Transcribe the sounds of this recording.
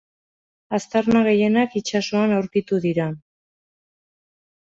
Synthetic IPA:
ast̪aɾmaɣ̞e̞je̞nakit͡ʃasoanawɾkit̪uðiɾa

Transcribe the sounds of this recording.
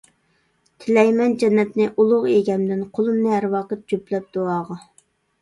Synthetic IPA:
t̪ʰɪlɛjmɛnd͡ʒɛnːɛt̪nɪʔulˠʊʁeɡʲɛmd̪ɪnqʰolˠɨmnɨɦæɾwɑːqət̪̚d͡ʒøplɛp̚d̪̥oɑːʁɑ

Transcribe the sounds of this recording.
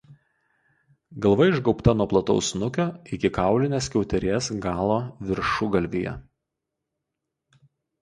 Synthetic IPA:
ɡɐlˠʋɐɪʒɡɒʊpt̪ɐnuɔplˠɐt̪ɒ̰ʊsnʊkʲoːɪkʲɪkɑˑʊlʲɪnʲeːskʲɛʊt̪ʲɛɾʲeːsɡɑːlˠoːʋʲɪɾʃʊɡɐlʲʋʲijɛ̰

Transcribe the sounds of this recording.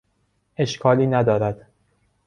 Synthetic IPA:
ʔe̞ʃkʰɒːliːnæd̪ɒːɾæd̪̥

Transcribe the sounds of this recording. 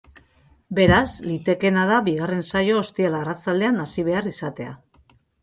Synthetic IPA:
be̞ɾazlit̪e̞ke̞nað̞aβiɣ̞are̞nsajo̞ːst̪ielaːrat͡sald̪e̞anasiβ̞e̞arisat̪e̞a̰

